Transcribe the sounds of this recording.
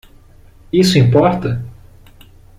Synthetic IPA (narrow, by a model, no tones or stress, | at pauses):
isʊĩmpɔɾt̪ɐ